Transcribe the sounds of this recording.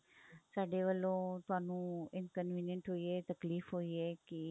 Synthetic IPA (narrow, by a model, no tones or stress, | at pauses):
saːɖeːʋəlːõːt̪ʊɦaːnũːɪnkənʋiːnjəɳʈɦoːiɛːt̪əkliːfɦoːiːɛːkɪ